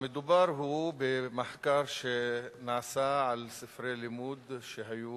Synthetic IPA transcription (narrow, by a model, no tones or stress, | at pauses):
mɪd̪ʊbɑɾˤɦubɪmaħkɑːɾˤʃenaʕsaʕalsɪfɾeːlɪmuːd̪ʃeɦajuː